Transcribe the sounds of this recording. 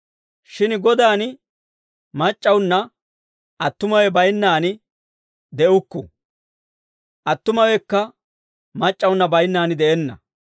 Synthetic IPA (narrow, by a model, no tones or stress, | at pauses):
ʃɪnɡɔd̪aːn | mɐt͡ʃʼːɐwnːɐ | ʔɐt̪ːʊmɐwɛbɐjnːaːnɪ | d̪ɛʔʊkːʊ̰ | ʔɐt̪ːʊmɐwɛkːɐ | mɐt͡ʃʼːɐwʊnːɐbɐjnːaːnɪd̪ɛʔɛnːɐ̰